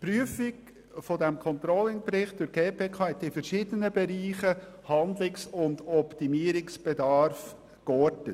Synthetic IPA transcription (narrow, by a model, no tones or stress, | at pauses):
pɾyəfɪɡ | fɔdɛmkʰɔnt̪ɾɔlɪŋpɾɪχt̚d̥ʊɡ̥eːpʰeːkʰɑːɛt̪ːɪfəɾʃiːd̥ənəbɛɾiːχə | hɑnd̪lɪksʊndɔptimiːɾɪksb̥ɛdɑːɾf | kɔɾdət